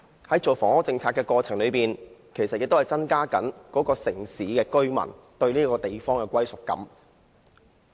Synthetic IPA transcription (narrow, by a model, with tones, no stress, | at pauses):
hɐ˨˥jt͡so˨˩wfɔː˨˩ŋhɔː˥t͡sɪ˧ŋt͡sʰaː˧tkɛː˧kɔː˧t͡sʰɪ˨˩ŋlɵ˨˧piː˨nkʰe˨˩jsɐ˨t̚jɪ˨k̚t̪o˥hɐ˨˩jt͡sɐ˥nkaː˥kɐ˨˥nkɔː˨˥kɔː˧sɪ˨˩ŋsiː˨˥kɛː˧kɵ˥ɥmɐ̰˨˩nt̪ɵ˧ɥniː˥kɔː˧t̪e˨jfɔː˥ŋkɛː˧kʷɐ˥jsʊ˨k̚ːɐ̰˨˥m